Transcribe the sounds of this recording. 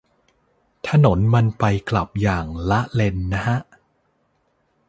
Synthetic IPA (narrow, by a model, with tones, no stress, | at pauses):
t̪ʰa˧no˩˦nma˧npa˧jkla˨˩p̚jaː˨˩ŋla˦˥ʔle˧nːa˦˥ha˦˥ʔ